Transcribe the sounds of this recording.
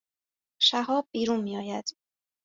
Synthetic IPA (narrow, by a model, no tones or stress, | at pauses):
ʃæɦɒːb̚ːiːɾuːnmiːɒːjæd̪̥